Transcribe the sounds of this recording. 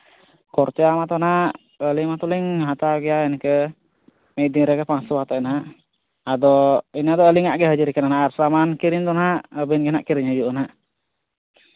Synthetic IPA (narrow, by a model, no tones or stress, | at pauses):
kɔrt͡ʃamat̪ɔnaʔ | əlimat̪uliŋɦat̪aɡiainkə | mediɾakəpaŋsuwat̪anaʔ | adɔinad̪ɔəliŋaʔɡɛɦad͡ʒuɾikənanaʔaɾsamankiɾiɲt̪ɔnaʔəbɛnɡənaʔkiɾiɲad͡ʒuʔnaʔ